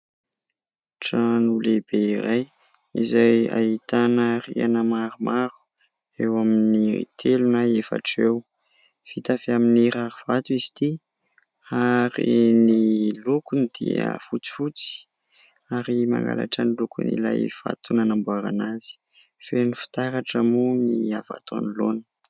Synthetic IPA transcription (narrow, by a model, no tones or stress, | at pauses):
ʈ͡ʂanuleb̥eiɾaj | izaja̰it̪anəria̰nəmaɾumʔaɾu̥ | ewaminḭt̪ʰelunajefa̰ʈ͡ʂew | v̥it̪afeaminiraɾuv̥at̪uizi̥t̪i | aɾḭnilukunid̪̥ḭə̰fut͡si̥fut͡si̥ | aɾima̰ŋɡa̰la̰ʈ͡ʂanilukṵnḭla̰jv̥a̰t̪unanambuaɾanazi̥ | fenifi̥t̪aɾaʈ͡ʂəmumiava̰t̪a̰nilonə̥